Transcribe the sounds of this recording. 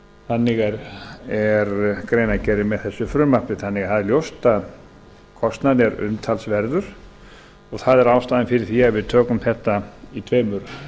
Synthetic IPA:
θanːɪɣɛɾɛɾkɾejnacɛɾɪmɛðθɛsːʏfɾʏmapnɪθanːɪɣθaðɛɾljowst̪að | kʰɔst̪naðjɛɾʏ̰mt̪ʰalsvɛɾðʏɾ̥ | ɔɣθaðɛɾaːwst̪aːðɪnfɪɾɪɾ̥θiavɪðt̪ʰœːkʏmθɛht̪ait̪ʰveːjmʏɾ

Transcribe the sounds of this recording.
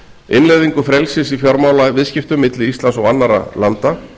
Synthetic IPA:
ɪnlejðiŋkʏfɾɛlsɪsifjɔɾmaːwlavɪðscɪft̪ʏmːɪt̪lɪist̪lansɔɣanːaɾa̰lant̪a

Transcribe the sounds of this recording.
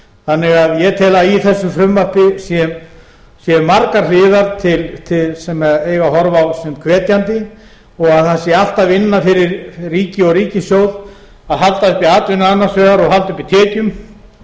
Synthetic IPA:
θanːɪɣaðjɛt̪ʰɛːlaiθɛsːʏfɾʏmːapɪsjɛm | sjɛmːaɾkaɾ̥lɪːðaɾt̪ʰɪlt̪ʰɪlsɛmɛðeːjɣaɦɔɾvawsɛmkʰvɛːt̪jant̪ɪ | ɔɣaðθasɪal̥t̪avɪnːafɪɾɪɾriːcɪɔɣɾiːcɪsjowð | aðɦalt̪aʏhpiaːt̪lʏnanːasvɛːɣaɾɔɣɦalt̪ʏpit̪ʰɛːcʏm

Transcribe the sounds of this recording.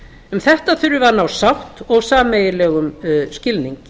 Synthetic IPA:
ʏmθɛht̪aθʏɾʏvanawsawt̪ɔɣsaːmejɪlɛːɣʏmscɪlniŋk

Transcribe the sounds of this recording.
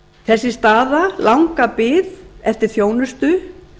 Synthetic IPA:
θɛsːɪst̪aːðalawŋkapɪːðɛft̪ɪɾ̥θjoːwnʏst̪ʏ

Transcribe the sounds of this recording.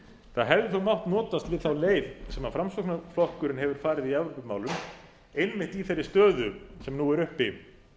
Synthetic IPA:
θaðɦɛvðɪθœwmawht̪nɔːt̪ast̪vɪðθawleːjðsɛmafɾamsɔknaflɔhkʏɾɪnhɦɛvʏɾ̥faːɾɪðiavɾɔpʏpmaːwlʏm | ejnmɪht̪iθejɾːɪst̪œːðʏsɛmnuːɛɾʏhpɪ

